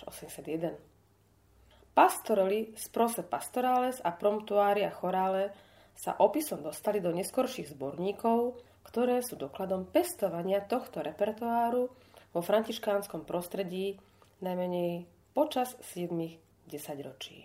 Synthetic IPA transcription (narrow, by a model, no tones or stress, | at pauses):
ɔ̰sɛmɲɛsad̪jɛd̪ɛn | past̪ɔɾɔlispɾɔsɛpast̪ɔɾaːlɛzapɾɔmt̪uaːɾiaxɔɾaːlɛ | sa̰ʔɔpisɔmd̪ɔst̪alid̪ɔɲɛskɔɾʃiɣzbɔɾɲiːkɔʊ | kt̪ɔɾɛːsuːd̪ɔklad̪ɔmpɛst̪ɔʋaɲɪat̪ɔxt̪ɔɾɛpɛɾt̪ʊaːɾu | ʋɔfɾaɲciʃkaːnskɔmpɾɔst̪ɾɛɟiː | najmɛɲɛj | pɔt͡ʃassɪɛd̪miɣ | ɟɛsaɟɾɔt͡ʃḭː